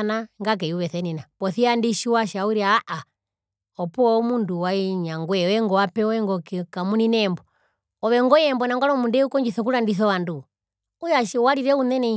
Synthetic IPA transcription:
naŋɡak̬ɛiuβɛθɛninapɔθiandiʃiwaʃauɾiaːʔa | ɔpuɔmunduwaiɲaŋɡwɛwɛŋɡɔwapɛɔɛŋɡɔkɛkamuninɛmbɔ | ɔβɛŋɡɔjɛmbɔnaŋɡaɾɔmundɛukɔɲd͡ʒiθɔk̬uɾandiθɔwandu | ujaʃwaɾiɾɛunɛnɛ

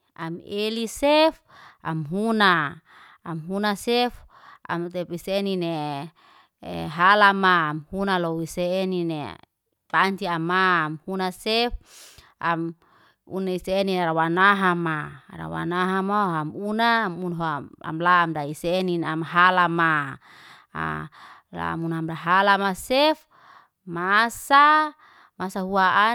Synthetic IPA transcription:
amelisef | a̰mɦunaː | mɦunasɛf | ʔa̰mt̪ɛpisenine | ɦalamaːmhunalɔwiseːninḛ | paɲt͡ʃiamaːmhunasɛf | am | ṵnaiseːniɾawanaɦamaɾa̰wa̰naɦamaamunamunɦoa̰mlaːmdaiseːninamɦalama̰ | la̰munamdaɦalamasɛf | masa | masaɦuaa

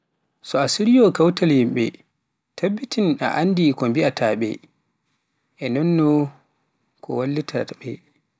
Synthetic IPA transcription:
sɔasiɾijɔkawtalhimɓɛ̰ | tʰabːitina̰ʔandikɔmbiatʰaɓɛ̰ | ʔɛnɔnːɔ | kʰɔ̰walːitʰabɛ̰

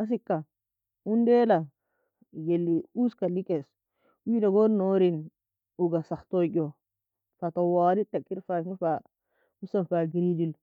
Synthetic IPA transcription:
ʔas̬ikːa | undela | jelːiuskalikes | widaɡoɾnoːɾin | uɡasaxtoɟo | fatawaːlitːakːiɾfasnufa | musanfaɡiɾid͡ʒil

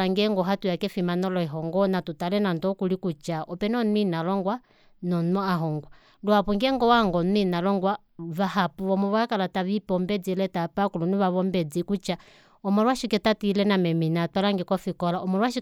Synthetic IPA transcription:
aŋɡɛŋɡɔɦatujakɛfimanɔlɔiɦɔŋɡɔnatutalɛnandɔkulikut͡ʃaʔɔpɛnɔnwinalɔŋɡwa | nɔnɔaɦɔŋɡwa | luapuŋɡɛŋɡɔwaŋɡɔnwinalɔŋɡwa | vahapuʋɔmɔβakalataβipɔmbɛd͡zilɛtapakuluniβaβɔmbɛd͡zikut͡ʃa | ɔmɔlwaʃikɛtatilɛnamɛminatwalaŋɡɛkɔfikɔlaʔɔmɔlwaʃi

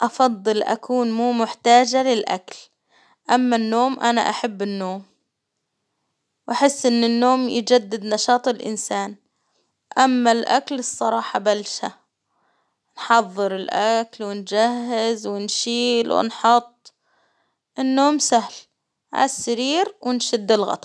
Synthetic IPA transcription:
ʔɑfɑd̪ˤːɨlʔa̰kʰuːnmuːmʊħt̪aːd͡ʒalɪlʔa̰kl | ʔamːanːoːmʔana̰ʔaħabːɪnːoːm | wʔaħɪsːʔɪnːɪnːoːmjd͡ʒad̪ːad̪nɑʃɑːt̪ˤɪlʔɪ̰nsaːn | ʔamːalʔa̰klɨsˤːɑɾˤɑːħɑbalʃa | nħɑðˤːɨɾɪlʔaklwɪnd͡ʒahːɪzwɪnʃiːlwɪ̰nħʊt̪ˤː | ʔɪnːoːmsahl | ʔa̰sːaɾiːɾwɪnʃɪd̪ːɪlɣɑ̰t̪ˤ

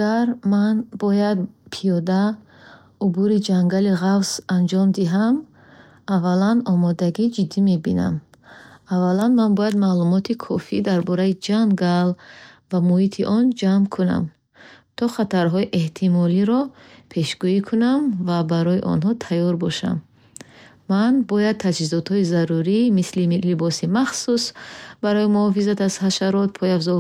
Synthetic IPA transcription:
aɾmanbɔjad̪̚pʰijɔd̪a | ubuɾid͡ʒaŋɡaliʁavsand͡ʒɔmd̪iɦam | avːalanɔmɔd̪aɡid͡ʒid̪ːime̞bina̰m | avːalanmanbɔjad̪malumɔt̪ʰikʰɔfid̪aɾbɔɾaid͡ʒaŋɡalvamuhit̪ʰiʔɔnd͡ʒamkʰuna̰m | t̪ʰɔχat̪aɾɦɔiʔe̞ht̪ʰimɔliɾɔ | pʰe̞ʃɡuikʰunamvabaɾɔjiʔɔ̰nɦɔt̪ʰajɔɾbɔʃa̰mː | anbɔjad̪̚t̪ʰad͡ʒhizɔt̪hɔizaɾuɾimislilibɔsimaχsusbaɾɔjimuhɔfizat̪az̥haʃaɾɔt̪̚pʰɔjafzɔ

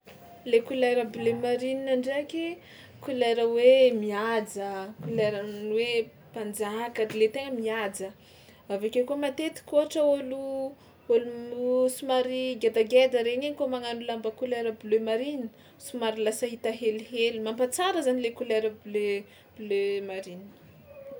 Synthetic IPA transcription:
lekulaɾəbulemaɾininaɳɖ͡ʐekʲe | kuleɾəwemiad͡zəkuleɾanwe | pand͡zakaʈ͡ʂilet̪eŋəmiad͡zə | avakʲekuəmat̪et̪i̥kʲoɦaʈ͡ʂəolu | olusumaɾiɡad̪aɡed̪əɾeninikumaŋanulambəkuleɾəbulømaɾin | sumaɾilasəɦit̪aɦeliɦelimampat͡saɾəzanilekuleɾəbulø | b̥lømaɾinin

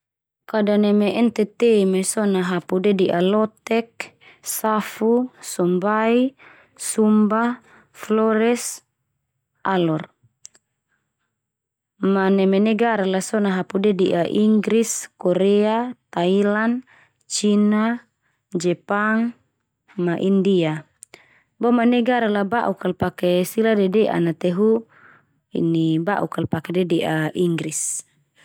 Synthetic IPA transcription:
kadanɛmeʔɛnt̪ɛt̪emesɔnaɦapudediʔalɔt̪ɛk̚ | safusɔmbai | sumba | flɔɾɛs | alɔr | manɛmenɛɡaɾalasɔnaɦapudɛdiʔaʔiŋɡɾiskɔɾɛat̪ailan | t͡ʃina | d͡ʒɛpaŋ | maʔindia | bɔmanɛɡaɾalabaʔukalpakɛsiladɛdɛʔa̰nat̪ɛɦu | ḭnibaʔukalpakɛdɛdɛʔaiŋɡɾis

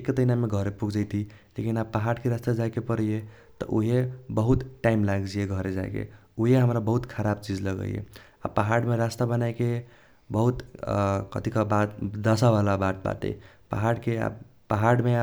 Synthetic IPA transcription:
ekːet̪əɦinameɡʱəɾepuɡd͡ʒəjt̪ʰilekinab̚pəɦaɽkeɾast̪ad͡ʒajkepəɾəje | t̪ɔ̰ʔuɦebəɦut̪ʈaimlaɡd͡ʒijeɡʱəɾed͡ʒa̰jkḛ | uɦeɦəmɾabəɦut̪kʰəɾabt͡ʃid͡ʒləɡə̰j̰ḛ | a̰pəɦaɽmeɾast̪abənajke | bəɦut̪kə̰t̪ikɔbad̪əsabalabaʈ̪̚ba̰t̪ḛ | pa̰ɦaɽkea̰bpəɦaɽmea

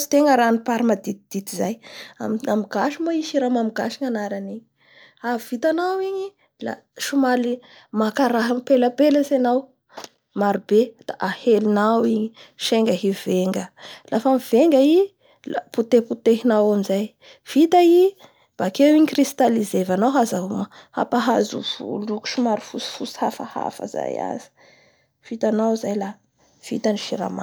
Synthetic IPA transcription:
i̥t̪eŋəɾanipaɾimad̪it̪̚id̪̥it̪izajamamiɡaʃimaiʃiɾamamiɡaʃiŋanaɾaniɲi | avit̪anawiɲi | la̰ | ʃumali | makaɾaɦəpeləpeləsenaw | maɾibed̪̥aʔahelinawiɲiʃeŋɡəɦiv̥eŋɡəlafamiv̥eŋɡəi | lput̪eput̪eɦinawamizaj | v̥it̪ai | b̥akewiɲikrist̪alizevanawɦazaɦuməha̰paɦazṵvṵluku̥ʃumaɾifusi̥fusi̥hafa̰ha̰fa̰za̰ja̰zi̥ | v̥it̪anawzajla | v̥ḭt̪aniʃiɾa̰ma

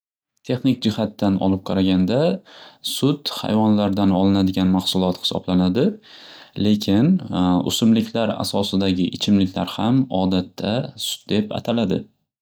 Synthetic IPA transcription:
t̪ʰe̞χnɪk̚ʲd͡ʒɪhat̪ːanɒ̰lˠɪp̚qʰɑɾaɡʲand̪asʊt̪ha̰jvɒnlaɾd̪anɒlˠɪnad̪ɪɡʲanmahsʊlˠɒt̪hɪ̥sɒ̰blanad̪ɪle̞kʲʰɪnʊ̰sʊmlɪkʲʰlaɾa̰sɒsɪd̪aɡʲɪʔɪt͡ʃʰɪmlɪkʲlaɾhamɒd̪at̪ʰːasʊ̥t̪̚d̪e̞pa̰t̪ʰalad̪ɪ

